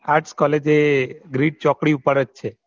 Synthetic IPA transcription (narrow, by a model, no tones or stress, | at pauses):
aʈskɔled͡ʒeɡɾiʈ̚t͡ʃɔkɽiupəɾət͡ʃt͡ʃʰe